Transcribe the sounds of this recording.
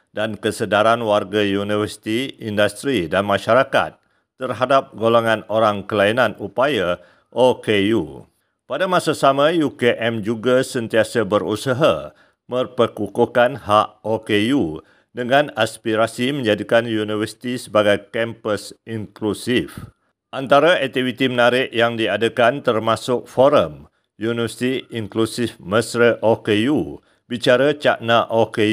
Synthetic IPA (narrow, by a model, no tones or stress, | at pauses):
dankəsədaɾanwarɡajunivərsi̥t̪iindast̪ɾidanmãʃaɾaka̰t̪̚ː | ərɦadap̚ɡoloŋãnoɾaŋkəlainãnupaja | ʔokeju | padamãsasamãjukeʔɛmd͡ʒuɡasənt̪iasabəɾusaɦa | mə̃rpəkukokanhaʔokeju | dəŋãnaspiɾasimə̃ɲd͡ʒadikanjunivərsi̥t̪isəbaɡajkɛmpəsiŋklusif | ʔant̪aɾaɛk̚t̪ivit̪imənaɾɪʔjaŋdiadəkant̪ərmãsʊk̚foɾəm | junivəsi̥t̪iiŋklusɪfməsɾəʔokeju | bit͡ʃaɾat͡ʃa̰ʔnaʔoke